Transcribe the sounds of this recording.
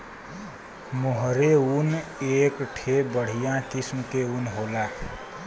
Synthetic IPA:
moɦɾeuneːkʈʰebəɽ̤ijãkɪsmkeunɦola

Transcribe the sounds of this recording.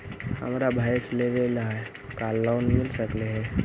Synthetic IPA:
hə̰mɾabʱaːjsleʋelaː | kaːlːaːnmɪlsəkleɦɛ̃ː

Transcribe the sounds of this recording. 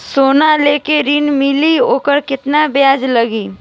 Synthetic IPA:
soːnaleːkeɾiːnmɪlioːkəɾkɪt̪nabjaːd͡ʒləɡiː

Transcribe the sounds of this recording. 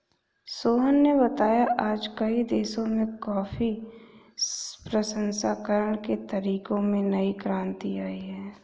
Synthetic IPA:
soːɦənːeβɐt̪aːjaʔaːd͡ʒkɐid̪eːʃõmẽkɔːfi | pɾəsə̃nsaːkəɾəɳket̪ɐɾiːkõmẽnɐikɾãːnt̪iaːiɦɛː

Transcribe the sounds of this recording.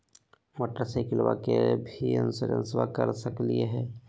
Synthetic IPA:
məʈɾəsekɪlwa̰kebʱiənsəɾə̰̃nswakəɾsəklieɦɛː

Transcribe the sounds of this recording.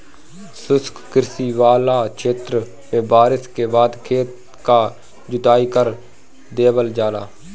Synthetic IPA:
sʊskkɪɾsiːʋaːlaːkʰeːt̪ɾ | mẽːbaːɾɪskeːbaːd̪kʰeːt̪ | kaː | d͡ʒʊt̪aːikəɾ | d̪eːbəld͡ʒaːla̰ː

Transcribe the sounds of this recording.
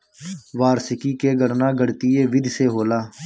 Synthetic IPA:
ʋaːɾsɪkiːkeːɡəɾnaːɡəɽt̪iːeːʋɪd̪ʱseːɦoːlaː

